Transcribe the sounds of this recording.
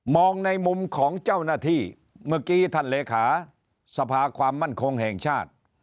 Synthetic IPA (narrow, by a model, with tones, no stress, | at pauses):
mɔː˧ŋna˧jmu˧mkʰɔː˩˦ŋt͡ɕa˥˩wnaː˥˩t̪ʰiː˥˩ | mɯ˧˩kiː˧t̪ʰa˧˩nleː˨˧kʰaː˩˦ | sa˧pʰaː˧kʰwaː˧mːa˥˩nkʰo˧ŋhɛː˨˩ŋt͡ɕʰaː˥˩t̪̚